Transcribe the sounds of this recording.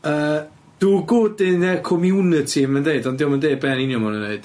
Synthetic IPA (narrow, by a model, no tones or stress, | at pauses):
əː | d̥uɡʊːdɪnɛkʰɔmjunɨtʰimɛndeɨdɔndɪwmandeɨd̚bɛninjɔmanəneɨd̥